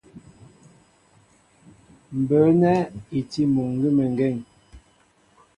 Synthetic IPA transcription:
m̩˨bə˨˦nɛ˦i˨ti˦mo˨ŋ˦ɡi˦mə˨ŋɡɛ˦˨ŋ

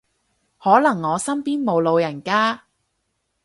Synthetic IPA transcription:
hɔː˨˥lɐ˨˩ŋːɔː˨˧sɐ˥mpiː˥nmo˨˧wlo˨˧wjɐ˨˩nkaː˥

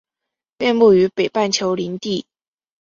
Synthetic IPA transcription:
pjɛ˥˧npu˥˩y˧˥pe˨˩ɪpa˥˩nt͡ɕʰjo˧˥ʊli˧˥nt̪i˥˩

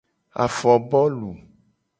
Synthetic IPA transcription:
a̰˨fɔ˨bɔ˦lu˨

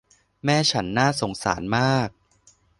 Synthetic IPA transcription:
mɛː˥˩t͡ɕʰa˦˥nːaː˥˩so˩˦ŋsa̰ː˩˦nmaː˥˩k̚

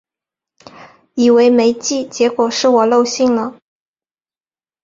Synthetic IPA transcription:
i˨˩we˧˥ɪme˧˥ɪt͡ɕi˥˩t͡ɕjɛ˧˥kwɔ˨˩ʂɻ̩˥˩wɔ˨˩lo˥˧ʊɕi˥˩ŋlə˩

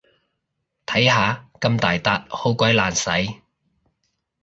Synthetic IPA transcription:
t̪ʰɐ˨˥jhaː˨˧kɐ˧mt̪aː˨jt̪aː˧t̚ho˨˥wkʷɐ˨˥jlaː˨nsɐ˨˥j

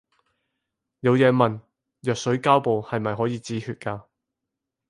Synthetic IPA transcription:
jɐ˨˧wjɛː˨˧mɐ˨˩n | jœː˨k̚sɵ˨˥ɥkaː˥wpo˨whɐ˨jmɐ˨jɦɔː˨˥jiː˨˧t͡siː˨˥hyː˧t̚kaː˧

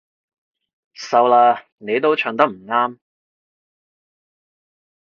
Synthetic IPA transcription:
sɐ˨˧wlaː˧ | ne˨˧jt̪o˥wt͡ʃʰœː˨˧ŋt̪ɐ˥k̚m̩˨˩ŋaː˥m

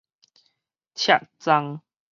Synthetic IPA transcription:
t͡ɕʰja˨t̚t͡sa˧ŋ

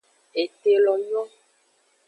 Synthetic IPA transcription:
e˨t̪e˨lɔ˨m˦ɔ̃˦

